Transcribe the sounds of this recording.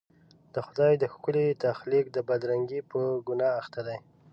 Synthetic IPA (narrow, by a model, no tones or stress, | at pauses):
d̪əxʊd̪ɑjd̪əxkʊlet̪axlik̚d̪əbad̪ɾaŋɡipəɡʊnɑːxt̪ad̪aj